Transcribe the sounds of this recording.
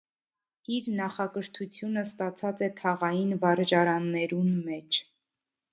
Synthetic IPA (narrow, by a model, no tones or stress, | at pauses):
iɾnɑχɑkəɾt̪ʰut͡sʰjunəst̪ɑt͡sʰɑt͡sɛt̪ʰɑʁɑjinvɑɾd͡ʒɑɾɑnːɛɾunmɛt͡ʃʰ